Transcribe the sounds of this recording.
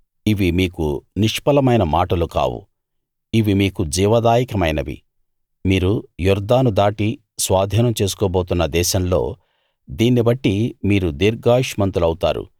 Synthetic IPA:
iʋimiːkuniʂpɐlɐmɐjnɐmaːʈɐluka̰ːwṵ | iʋimiːkud͡ʒiːʋɐd̪aːjikɐmɐ̰jnɐʋḭ | miːɾujuɾd̪aːnud̪aːʈi | sʋaːd̪ʱiːnɐmt͡ʃeːsu̥kɔːbo̞ːt̪unːɐd̪ɛːʃɐmlo̞̰ː | d̪iːnːibɐʈːimiːɾud̪iɾɡaːʃmɐnt̪ulɐwut̪a̰ːɾṵ

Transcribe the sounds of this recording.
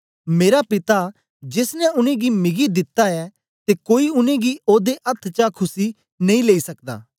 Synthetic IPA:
meːɾapɪt̪a | d͡ʒɪsnɛʊnẽɡimɪɡid̪ɪt̪ːaɛ | t̪ekoːiʊnẽɡioːd̪eʔɐt̪ʰt͡ʃakʰʊsi | nɐ̃ĩleːisɐkd̪a̰ː

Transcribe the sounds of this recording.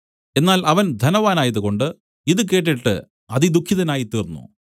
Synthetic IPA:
e̞nːaːlɐʋɐnd̪ʱɐnɐʋaːnaːjɐðuko̞ɳɖɨ | iðɨk̬e̞ːʈ̬ːiʈːɨ̰ | ɐðid̪ukʰjiðɐnaːjit̪iːrnːṵ

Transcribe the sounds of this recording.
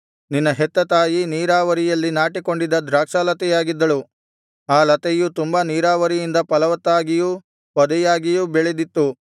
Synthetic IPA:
ninːɐɦɛt̪ːɐt̪aːjiniːɾaːʋɐɾijɐlːinaːʈiko̞ɳɖid̪ɐd̪ɾaːkʂalɐt̪ɛjaːɡid̪ːɐɭu | aːlɐt̪ɛjut̪umbaniːɾaːʋɐɾijind̪ɐpɐlɐʋɐt̪ːaːɡiju | pɔd̪ɛjaːɡijubɛɭɛd̪it̪ːu

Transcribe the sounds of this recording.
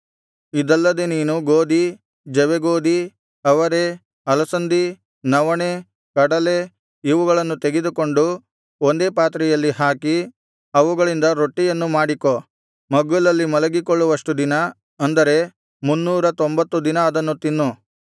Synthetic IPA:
id̪ɛlːɐd̪eniːnuɡoːd̪i | d͡ʒɛʋeɡoːd̪i | ɐʋɐɾe̞ | ɐlɐsɐnd̪i | nɐʋɐɳe | kɐɽɐle̞ | iʋuɡɐɭɐnːut̪e̞ɡed̪uko̞ɳɖu | ond̪e̞ːpaːt̪ɾɛjɐlːiɦaːki | ɐʋuɡɐɭind̪ɐɾo̞ʈːijɐnːumaːɽiko̞ | mɐɡːulɐlːimɐlɐɡikoɭːuʋɐʂʈud̪inɐ | ɐnd̪ɐɾe̞ | munːuːɾɐt̪o̞mbɐt̪ːud̪inɐːd̪ɐnːut̪inːu

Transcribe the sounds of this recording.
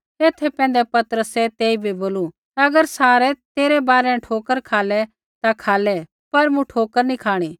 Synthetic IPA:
eːt̪ʰɛpɛ̃ːnd̪ɛpɐt̪əɾəsɛt̪eːibʱiboːlu | t̪aɐɡəɾsaːɾɛt̪eːɾɛbaːɾɛ̃ʈʰoːkəɾkʰaːlɛ | t̪akʰaːlɛ | pɐɾmũʈʰoːkəɾnikʰaːɽ̃iː

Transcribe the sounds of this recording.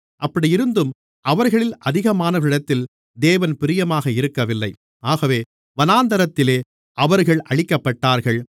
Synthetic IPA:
ʔɐpːɐɽijɪɾɯnd̪ɯm | ʔɐʋɐɾɣɐɭɪlʔɐðɪɣɐmaːnɐʋɐɾɪɽɐt̪ːɪl | d̪eːʋɐnpɪɾɪjɐmaːɣɐɪɾɯkːɐʋɪlːɐɪ | aːɣɐʋeː | ʋɐnaːnd̪ɐɾɐt̪ːɪleː | ʔɐʋɐɾɣɐɭʔɐɻɪkːɐpːɐʈːaːɾɣɐɭ

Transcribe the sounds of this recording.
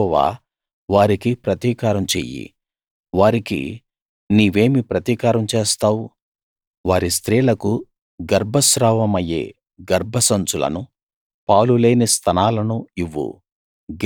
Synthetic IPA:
ʋa̰ː | ʋaːɾikipɾɐt̪iːkaːɾɐmt͡ʃḛːjḭ | ʋaːɾikḭ | niːʋe̞ːmipɾɐt̪iːkaːɾɐmt͡ʃeːst̪aːwu | ʋaːɾist̪ɾiːlɐku | ɡɐɾbʱɐsɾaːʋɐmɐjḛː | ɡɐɾbʱɐsɐnt͡ʃulɐ̰nu | paːlule̞ːnist̪ʰɐnaːlɐnuiʋːṵ | ɡ

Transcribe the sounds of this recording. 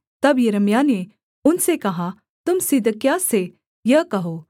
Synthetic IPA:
t̪ɐbjɐɾəmjane | ʊnsekɐɦa | t̪ʊmsɪd̪ʱkjase | jɐkɐɦoː

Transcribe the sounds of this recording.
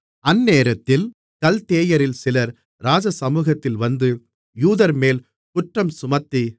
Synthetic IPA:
ɐnːeːɾɐt̪ːɪl | kɐlt̪eːjɐɾɪlsɪlɐɾ | ɾaːd͡ʒɐsɐmuːɣɐt̪ːɪlʋɐnd̪ɯ | juːðɐɾmeːl | kʊʈrɐmsʊmɐt̪ːi

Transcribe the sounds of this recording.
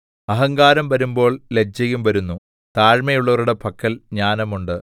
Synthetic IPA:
ɐɦɐŋɡaːɾɐmʋɐɾumbo̞ːɭled͡ʑɐjumʋɐɾunːu | t̪aːɻmɐjuɭːɐʋɐɾuɽe̞pʰɐkːɐlɲaːnɐmuɳɖɨ

